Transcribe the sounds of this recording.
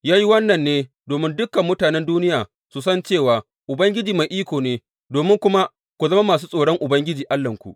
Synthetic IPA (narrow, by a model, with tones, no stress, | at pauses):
jaː˦ji˦wɐ˦nːɐ˨nːeː˦ | doː˨mɪ˦ndʊ˦kːɐ˨mːʊ˦taː˨nɛ˦nduː˦nɪ˦jaː˨ | su˨sɐ˦nt͡ʃeː˦˨waː˨ | ʔʊ˨bɐ˦ŋɡʲɪ˦d͡ʒiː˨ma˨jʔiː˦kʷoː˨neː˦ | doː˨mɪ˦ŋkʷʊ˦ma˦ | kʷu˨zɐ˦ma˦maː˨suː˦sʼoː˨ɽɔ˦ŋʔʊ˨bɐ˦ŋɡʲɪ˦d͡ʒiː˨ʔa˦lːɐ˨ŋkʷṵ˨ʔ